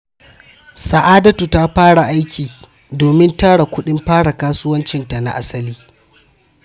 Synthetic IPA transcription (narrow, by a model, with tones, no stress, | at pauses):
sa˨ʔaː˦dɐ˦tu˨ta˦ɸaː˦ɽa˨ʔa˦jkʲʰiː˨ | doː˨mɪ˦ntaː˦ɽa˨kʷʊ˦ɗɪ˦mɸaː˦ɽa˨kaː˦sʊ˦wɐ˦nt͡ʃɪ˦nta˨na̰˨ʔa˦sɐ˦liː˦